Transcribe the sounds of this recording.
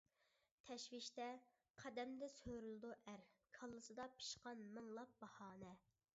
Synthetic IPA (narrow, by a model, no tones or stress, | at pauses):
t̪ʰɛʃwɪʃt̪ɛ | qʰæd̪ɛmd̪ɛsøɾylˠɨd̪uʔæɾkʰɑlˠːɨsɨd̪ɑpʰi̥ʃqɑnmɨŋlˠɑp̚bɑhɑːnɛ